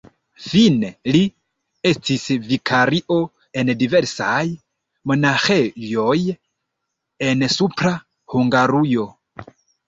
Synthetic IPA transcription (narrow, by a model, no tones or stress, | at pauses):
fineli | estʰisvikʰaɾiʔo | endivɛɾsaj | monaxejoj | ensupʰɾa | huŋɡaɾujo